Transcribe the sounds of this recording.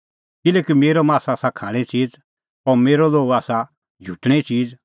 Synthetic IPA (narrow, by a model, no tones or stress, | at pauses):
kɪlɛːkimeːɾomaːsasakʰaːɽ̃ɛ̃t͡ʃiːd͡z | ɔɾmeːɾoloːɡaːsa | d͡ʒʱuːʈɽ̃ɛ̃t͡ʃiːd͡z